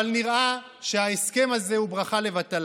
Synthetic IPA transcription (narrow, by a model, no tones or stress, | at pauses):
alniʁʔa | ʃe̞aeske̞maze̞hubʁaχale̞vat̪al